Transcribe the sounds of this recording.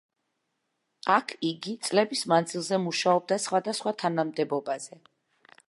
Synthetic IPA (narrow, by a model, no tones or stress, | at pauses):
akʰiɡit̪sʼlɛbismand̪zilˠzɛmuʃaɔb̚d̪asχwad̪asχwat̪ʰanamd̪ɛbɔbaz̥ɛ